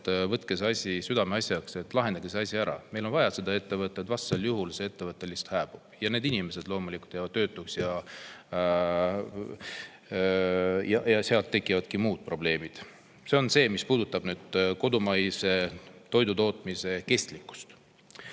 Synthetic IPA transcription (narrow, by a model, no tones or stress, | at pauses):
t̪vɤt̪ˑkeseɑsʲisyd̪ɑmeɑsʲjɑkse̞t̪ːˑlɑɦend̪̥ɑɡeseɑsʲiæɾɑ̰me̞jlo̞nvɑjɑse̞d̪ɑe̞t̪ːe̞vɤt̪ːˑed̪vɑst̪ːseljuɦulsee̞t̪ːe̞vɤt̪ːˑe̞list̪hæːb̥ub̥jɑne̞ːd̪inime̞se̞d̪̥lo̞ːmulikˑult̪ːˑjɑvɑd̪̥ø̞ːt̪ːˑuksjɑ | jɑjɑseɑlt̪ːe̞kːˑivɑd̪̥kimuːd̪̥̚pro̞ble̞ːmid̪̥ | se̞o̞nse̞ːmispuːd̪ut̪ːˑɑb̥nyːd̪̥ko̞d̪umɑjse̞t̪o̞jd̪ut̪o̞ːt̪ˑmise̞ke̞st̪likːˑu̥st̪